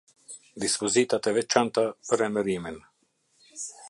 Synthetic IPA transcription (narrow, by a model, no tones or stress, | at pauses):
d̪ispɔzit̪at̪ɛvɛt͡ʃant̪apəɾɛməɾimɛn